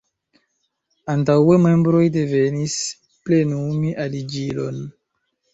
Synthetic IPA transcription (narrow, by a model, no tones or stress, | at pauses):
antaweme̞mbɾojdeve̞nis | plenumiʔalid͡ʒilo̞n